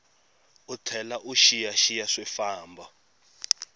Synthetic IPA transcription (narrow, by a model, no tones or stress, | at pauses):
utʰɛlaʔuʃijaʃijaʂwɛfaːmbʱa